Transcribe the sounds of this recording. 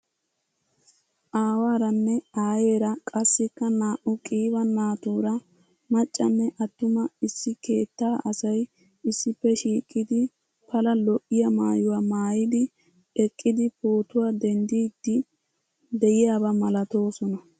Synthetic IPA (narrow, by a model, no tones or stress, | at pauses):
ʔaːwaːɾɐnːɛaːje̞ːɾɐkʼɐsːɪkːɐnaːʔʊkʼiːbɐnːaːt̪uːɾɐ | mɐt͡ʃʼːɐnːɛʔɐt̪ːʊmɐɪsːɪke̞ːt̪ːaːʔɐsɐj | ɪsːɪpːɛʃiːkʼːɪd̪ɪ | pɐlɐlɔʔɪjɐmaːjʊwamaːjɪd̪ɪ | ɛkʼːɪd̪ɪpoːt̪ʊwaːd̪ɛnd̪iːd̪ːɪ | d̪ɛjɪjaːbɐmɐlɐt̪o̞ːsɔnɐ